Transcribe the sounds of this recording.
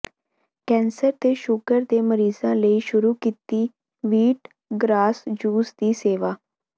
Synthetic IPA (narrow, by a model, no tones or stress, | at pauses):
kɛːnsəɾt̪eːʃʊɡəɾd̪eːməɾiːzãːləiːʃʊɾuːkiːt̪iː | ʋiːʈ | ɡɾaːsd͡ʒuːsd̪iːseːʋaː